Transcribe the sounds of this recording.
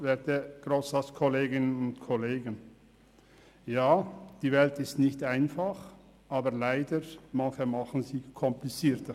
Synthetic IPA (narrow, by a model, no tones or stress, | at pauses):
vɛːteɡ̥ʁoːsaskʰɔleːɡɪnənʊntkʰɔleːɡən | jaːd̥iːvɛltɪstnɪçtaɪnfaχ | ʔaːbəlaɪdəɾmançəmaχən̩ziːkʰɔmplit͡siːtə